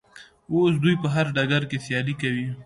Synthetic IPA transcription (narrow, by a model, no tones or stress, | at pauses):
os̬d̪ujpəɦaɾɖaɡaɾkesjɑlikawi